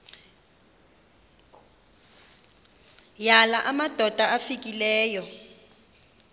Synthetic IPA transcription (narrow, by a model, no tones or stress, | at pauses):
jalaʔamad̥ʱɔd̥ʱaafikʼilɛːjɔ